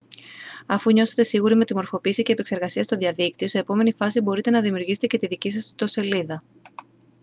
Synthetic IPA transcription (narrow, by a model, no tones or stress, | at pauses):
ɐfuɲo̞se̞t̪e̞siɣuɾime̞t̪imo̞ɾfo̞piːsice̞ːpe̞kse̞ɾɣɐsiɐst̪o̞ðiɐðik̚t̪io̞se̞ːpo̞me̞nifɐsibo̞ɾit̪e̞nɐðimiuɾʝise̥t̪ece̞t̪iðicis̬ɐst̪o̞se̞liðɐ